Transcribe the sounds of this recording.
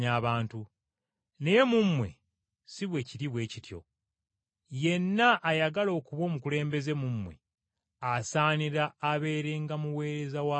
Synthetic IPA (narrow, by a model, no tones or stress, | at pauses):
aːβaːntu | ne̞je̞mumːwe̞̰ | siβwe̞ciɾiβwe̞ːcitjo̞̰ | je̞nːaʔːjaɡalo̞ːkuβwo̞ːmukule̞ːmbe̞ze̞mumwe̞̰ | asaːniɾaːβe̞ːɾe̞ŋɡamuwe̞ːɾe̞zawa